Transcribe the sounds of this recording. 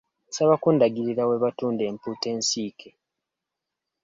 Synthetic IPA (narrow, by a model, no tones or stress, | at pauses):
saβakundaɡiɾiɾaweβatuːnde̞ːmpuːte̞ːnsiːkʰe